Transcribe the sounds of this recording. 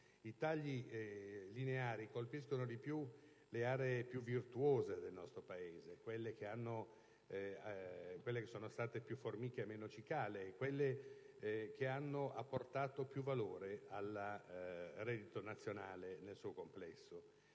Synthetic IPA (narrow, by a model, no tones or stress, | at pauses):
it̪aʎːi | lineaːɾikolpis̬konod̪ipju | leaːɾeepjuvːirt̪uoːzed̪elnɔst̪ɾopaeːzekwelːek̟eanːo | kwelːekesːoːnost̪aːt̪epjufːormiːk̟eːmːeːnot͡ʃikaːleːkwelːe | k̟eanːoʔa̰pːort̪aːt̪opjuvaloːɾeal | rɛd̪it̪onat̪sːjonaːlenelsuːokomplɛsːo